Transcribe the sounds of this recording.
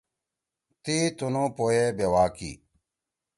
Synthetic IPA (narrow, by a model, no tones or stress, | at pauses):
t̪iːt̪unõːpoːjeːbewaːkḭː